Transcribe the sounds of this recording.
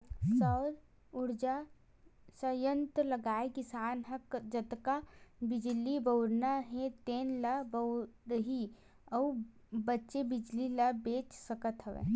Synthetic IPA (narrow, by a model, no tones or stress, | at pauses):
səːɾ | ʊɾd͡ʒa | səjə̃nt̪əlɐɡaːekisaːnɦɐkd͡ʒət̪kabɪd͡ʒlibəwɾnaɦẽt̪eːnlɐbəʊɾəɦi | ɐː | bətːʃebɪd͡ʒlilɐbeːt͡ʃsəkət̪ɦəʋḛː